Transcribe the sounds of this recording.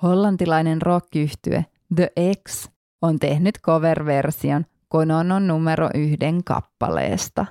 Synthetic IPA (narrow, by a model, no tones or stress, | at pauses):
ho̞lːɑnt̪ilɑjne̞nrokːiyht̪y̰ḛ | d̪əʔeks | ont̪e̞hnyt̪ko̞ʋerʋe̞rsio̞n | konononːumeɾo̰ʔyhde̞ŋkɑ̰pːɑ̰lḛːst̪ɑ